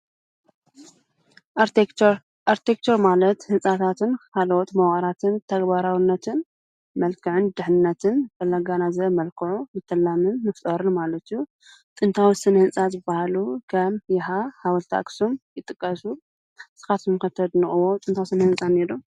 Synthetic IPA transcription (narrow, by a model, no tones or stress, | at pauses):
ʔaɾt̪ʰek̚t͡ʃ̪ʰoɾmalɐt̪hɨnsʼat̪ʰat̪ʰɨnkʰalɐwot̪mɐwxʼɐɾat̪ʰɨnt̪ʰɐɡbaɾawinːɐt̪ʰɨn | mɐlkʰɨʕɨnd̪ɨħɨnːɐt̪ʰɨnfɐlːaɡanazɐmɐlkʰɨʕumɨt̪ʰːɐlːamɨnːɨft̪ʼɐɾɨnmalɐt̪iju | t͡sʼɨnt̪ʰawisɨnhɨnsʼazɨbahalukʰɐmjɪɦahawɐlt̪ʰa̰kʼsomjɪt̪ʼɨkʼːɐsu | sɨ̥xat̪ʰɨmɨxɐt̪ʰːɐd̪nɨxʼɨwot͡sʼɨnt̪ʰawsɨnhɨnsʼanːedom